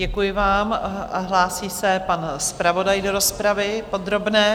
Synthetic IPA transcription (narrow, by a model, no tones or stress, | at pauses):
ɛkujɪvaːmaɦlaːsiːsɛpanspɾavo̞dajdo̞ɾo̞spɾavɪpo̞d̪ɾo̞bnɛː